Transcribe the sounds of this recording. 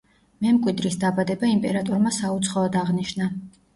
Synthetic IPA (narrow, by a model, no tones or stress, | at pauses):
mɛmkʼwid̪ɾisd̪abad̪ɛbaimpʼɛɾat̪ʼɔɾmasaut̪sʰχɔɔd̪aʁniʃna